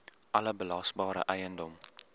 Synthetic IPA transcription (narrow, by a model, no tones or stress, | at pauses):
ʔɐləbəlɐsbɑːɾə̰ʔɛjəndɔm